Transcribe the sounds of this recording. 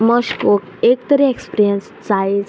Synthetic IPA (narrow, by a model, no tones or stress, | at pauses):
məɕkok | ek̚t̪əɾeekspiɾijəns | t͡saj